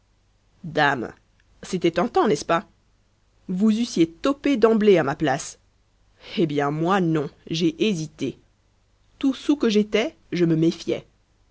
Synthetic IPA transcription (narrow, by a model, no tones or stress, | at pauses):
d̪am | set̪ɛt̪ɑ̃t̪ɑ̃nɛspa | vuzysjet̪ɔped̪ɑ̃bleamaplas | ebjɛ̃mwanɔ̃ʒeʔezit̪e | t̪usukəʒet̪ɛ | ʒəməmefjɛ̰